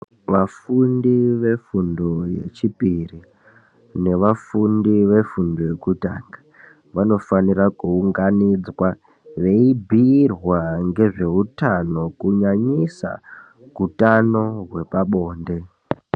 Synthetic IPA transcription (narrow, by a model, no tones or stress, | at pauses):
ʋafundiʋe̞fundojḛt͡ʃipiri | ne̞ʋafundiʋe̞fundo̞je̞kuta̰ːŋɡḁ | ʋano̞fanirakuuŋɡanid͡zwa | ʋe̞ibʱirwaŋɡe̞ʐe̞ɦutano̞kuɲaɲisa̰ | kutano̞ɦwe̞paɓo̞ːnde̞